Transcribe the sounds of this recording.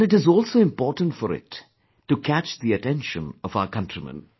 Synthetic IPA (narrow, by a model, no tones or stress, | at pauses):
nɪʈɨzɔːlsoːɪ̃mpɔːɾʈə̃ntfɔɾɪ̰tː | ukʰæt͡ʃðiɨʈɛ̃nʃə̰̃nɔvaʊəkʌ̃ntɹimə̰̃n